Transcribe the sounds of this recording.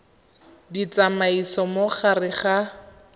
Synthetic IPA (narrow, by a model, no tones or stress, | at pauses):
dit͡samaisɔmoχarɪχa